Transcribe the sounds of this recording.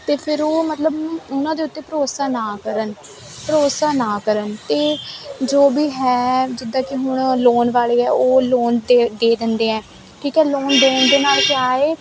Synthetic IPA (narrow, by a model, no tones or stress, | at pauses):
t̪eːpʰɪɾoːmət̪ləbʊnãːd̪eːʊt̪ːeːpəɾoːsaːnaːkəɾən | pəɾoːsaːnaːkəɾənt̪eːd͡ʒoːbiːɦɛːd͡ʒɪd̪ːãːkɪɦʊɳloːnʋaːleːɛːoːloːnd̪ed̪eːd̪ɪnd̪eːɛ̃ː | ʈʰiːkɛːloːnd̪oːnd̪eːnaːlkɪaːeː